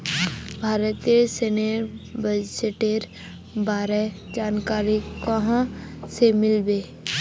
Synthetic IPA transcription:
bʱaːɾət̪ieseneɾbəd͡ʒeʈeɾ | baːɾɛ | d͡ʒaːnkaːɾikəɦãsemɪlbeː

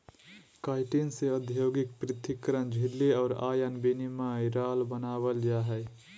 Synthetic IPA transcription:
kaːɪʈinseəd̪ʱjoːɡɪk̚pɾɪt̪ʰikːəɾənd͡ʒʱɪlːeɔːɾa̰ːjənbinimaːjɾaːlbənaːwəld͡ʒaːɦɛ

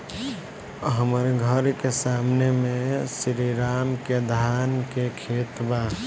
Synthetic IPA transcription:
ɦəmɾɡʱəɾkesaːmnemẽsɾiɾaːmked̪ʱaːnkekʰeːt̪ba

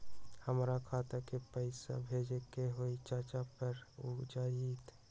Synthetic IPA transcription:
həmɾakʰaːt̪akepəɪsa̰bʱeːd͡ʒekeɦoit͡ʃaːt͡ʃapəɾud͡ʒaːjit̪

